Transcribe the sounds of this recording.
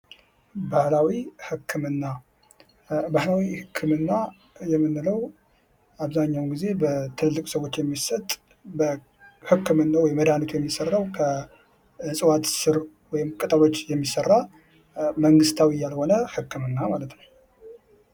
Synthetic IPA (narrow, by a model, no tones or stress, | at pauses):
bahlawihɨkʰːɨmɨnːa | bahlawihɨkʰːɨmɨnːa | jɛmːɨnːɨləw | aβzaɲːawɡize̞bət̪ʰɨlɨlːɨkʼsəwo̞t͡ʃːjɛmːisət̪ʼ | bə | hɨkːɨmɨnːawɔjməd̪anot̪ʰujɛmːisərːawkʰə | ɨsʼɨwat̪sɨɾ | wɔjɪmkʼɨt̪ʼalo̞t͡ʃːjɛmːisərːa | məŋɡɨst̪ʰawijalho̞nəhɨkʰːɨmɨnːamalət̪nəw